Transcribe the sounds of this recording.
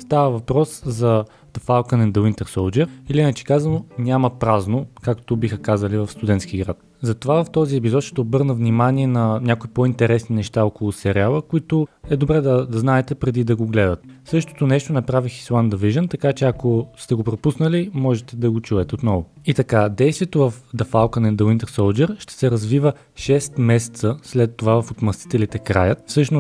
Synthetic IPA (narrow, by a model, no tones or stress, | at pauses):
st̪avəvɐpɾɔszɐ | d̪̥ɐfalˠkənɛnd̪əwint̪ɛɾsolˠd͡ʒɛɾiliinɐt͡ʃɛ̥kazɐnonʲaməpɾaznokakt̪obixəkazəlivɐfst̪ʊd̪ɛnt̪sk̟ʲiɡɾat̪ | zɐt̪ovavɐft̪ɔziɛpizɔt̪ʃt̪ɛːbɤɾnəvnimaniɛnɐnʲakoipoint̪ɛɾɛsninɛʃt̪aɔkolˠʊsɛɾialˠəkʊit̪oɛd̪obɾɛd̪ɐd̪ɐznaɛt̪ɛpɾɛd̪id̪ɐɡoɡlɛd̪ət̪sɤʃt̪o̥t̪onɛʃt̪onɐpɾavixi̥slˠand̪ɐviʒənt̪ɐkat͡ʃɛɐkost̪ɛɡopɾopusnəlimɔʒɛt̪ɛd̪ɐɡot͡ʃuvɛt̪ɛot̪nɔvʊit̪ɐkad̪ɛjst̪viɛt̪ovɐfd̪ɐfalˠkənɛd̪ɐwint̪ɛɾsolˠd͡ʒɛɾʃt̪ɛ̥sɛɾɐzvivə | ʃɛst̪mɛsɛ̥t̪səslɛt̪ːovavɐfot̪mɐst̪i̥t̪ɛlit̪ɛkɾa̰jət̪fsɤʃnʊ